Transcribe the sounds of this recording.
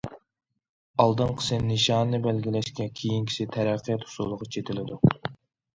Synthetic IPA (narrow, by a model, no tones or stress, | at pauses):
ɑlˠd̪ɨnqʰə̥sɨnnɨʃɑnːɨbɛlɡʲilɛʃkʲɛkʲʰejiŋkʲʰi̥sɪt̪ʰæɾæqʰːijɛt̪hu̥sṵlˠːəʁɑt͡ʃʰet̪ʰɪlɪd̪u